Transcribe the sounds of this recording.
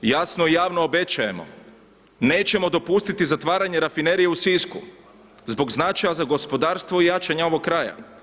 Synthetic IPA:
jasnoijaːʋnoːbe̞t͡ɕaje̞mo̞̰ | ne̞ːt͡ɕe̞mo̞d̪o̞pust̪it̪izat̪ʋaːɾaɲeɾafine̞ɾijeusisku | zbo̞ɡznat͡ʃajazaɡo̞spo̞d̪aːɾst̪ʋoijaːt͡ʃaɲao̞ʋoɡkːɾaːja̰

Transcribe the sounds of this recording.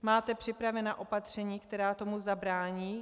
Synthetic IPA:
maːt̪ɛpr̥ɪpɾavɛnaːʔo̞pat̪r̝̥ɛɲiːkt̪ɛɾaːt̪o̞muzabɾaːɲiː

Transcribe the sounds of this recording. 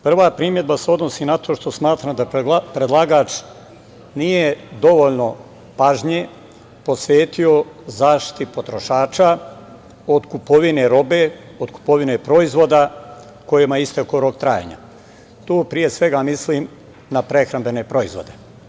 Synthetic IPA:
pr̩ʋapɾiːmje̞d̪̚baseo̞d̪no̞siːnat̪ʰo̞ːʃt̪o̞smaːt̪ɾamd̪apɾed̪lˠaɡaːt͡ʃ | nijed̪o̞ʋoʎno̞ | paʒɲe | po̞sʋeːt̪io̞zaːʃt̪i̥t̪ipo̞t̪ɾo̞ʃaːt͡ʃa | od̪kupo̞ʋine̞ɾo̞beː | od̪ku̥po̞ʋinepɾo̞izʋo̞ːd̪a | ko̞jemaist̪ekoɾokt̪ɾaːjḛɲa̰ | t̪oːpɾije̞sʋe̞ɡamisliːm | napɾe̞xɾambe̞ne̞pɾo̞izʋo̞̰d̪e̞

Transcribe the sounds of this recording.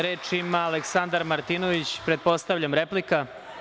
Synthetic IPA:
ɾeːt͡ʃimaːleksand̪aɾmaɾt̪inoʋit͡ɕpɾe̞t̪̚po̞st̪aʋʎʲamɾe̞plika

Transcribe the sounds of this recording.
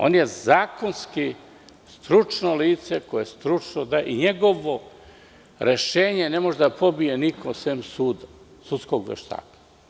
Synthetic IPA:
o̞̰nje̞zaːko̞nski | st̪ɾut͡ʂnoliːt̪se̞kojest̪ɾut͡ʂnod̪aːjḛʔiɲe̞ɡo̞ʋo̞ | ɾʔeʃeːɲe̞ne̞mo̞ʒed̪apʰo̞bijenikʰosemsuːd̪a | sut̪skoɡʋḛʃt̪a̰ːkḁ

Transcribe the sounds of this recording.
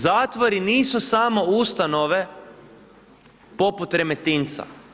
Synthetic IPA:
zaːt̪ʋoɾiniːsusamo̞ust̪ano̞ʋe̞ | po̞put̪ɾe̞met̪int̪sa̰

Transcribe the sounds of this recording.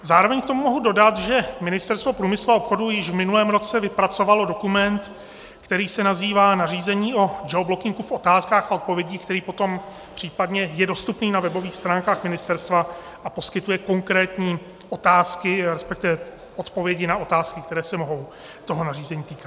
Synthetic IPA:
zaːɾo̞vɛɲkt̪o̞mumo̞ɦudo̞dat̪ʒɛmɪnɪst̪ɛɾst̪vo̞pɾuːmɪsluaopxo̞dujɪʒvmɪnulɛːmɾo̞t͡sɛvɪpɾat͡so̞valo̞do̞kumɛnt̪ | kt̪ɛɾiːsɛnaziːvaːnariːzɛɲiːo̞d͡ʒɛoblo̞kɪŋɡufʔo̞t̪aːskaːxaot̪̚po̞vjɛɟiːk̚t̪ɛɾiːpo̞t̪o̞m | pr̝̥iːpadɲɛjɛdo̞st̪upniːnavɛbo̞viːxst̪ɾaːŋkaːxmɪnɪst̪ɛɾst̪va | ʔapo̞skɪt̪ujɛko̞ŋkɾɛːt̪ɲiː | ʔo̞t̪aːskɪɾɛspɛk̚t̪ɪvɛ | o̞t̪po̞vjɛɟɪnao̞t̪aːskɪkt̪ɛɾɛːsɛmo̞ɦo̞w | t̪o̞ɦonariːzɛɲiːt̪iːkat̪

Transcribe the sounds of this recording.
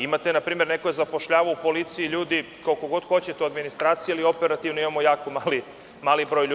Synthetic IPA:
imat̪enapɾiːme̞ɾne̞kojezapo̞ʃʎaːʋoupo̞lit̪sijiʎuːd̪i | kaokoɡo̞d̪xo̞t͡ɕe̞t̪euad̪minist̪ɾaːt̪sijealio̞peɾat̪iʋnoimamo̞jaːkomaːli | maːlibɾojʎu

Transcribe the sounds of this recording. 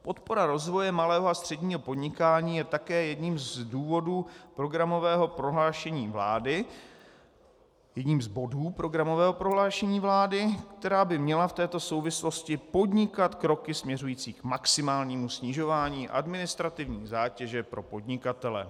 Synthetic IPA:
po̞t̪po̞ɾaɾo̞zvo̞jɛmalɛːɦoast̪r̥ɛdɲiːɦo̞po̞dɲɪkaːɲiːjɛt̪akɛːjɛdɲiːmzduːvo̞duːpɾo̞ɡɾamo̞vɛːɦo̞pɾo̞ɦlaːʃɛɲiːvla̰ːdɪ | jɛdɲiːmzbo̞duːpɾo̞ɡɾamo̞vɛːɦopɾo̞ɦlaːʃɛɲiːvlaːdɪkt̪ɛɾaːbɪmɲɛlaft̪ɛːt̪o̞so̞wvɪslo̞scɪpo̞dɲɪkat̪kɾo̞kɪsmɲɛrujiːt͡siːkmaksɪmaːlɲiːmusɲɪʒo̞vaːɲiːʔa̰dmɪnɪst̪ɾat̪ɪvɲiːzaːcɛʒɛpɾo̞po̞dɲɪkat̪ɛlɛ̰

